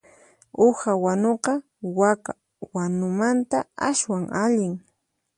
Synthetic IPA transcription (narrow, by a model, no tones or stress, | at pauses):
ʊxawanoqɑ | waka | wanʊmant̪aaswaŋʔaʎɪŋ